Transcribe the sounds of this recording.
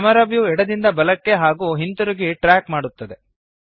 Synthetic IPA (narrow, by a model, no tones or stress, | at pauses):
ɐmɐɾɐbjuɛɽɐd̪ind̪ɐbɐlɐkːe̞ɦaːɡuɦint̪uɾuɡiʈɾaːkmaːɽut̪ːɐd̪e̞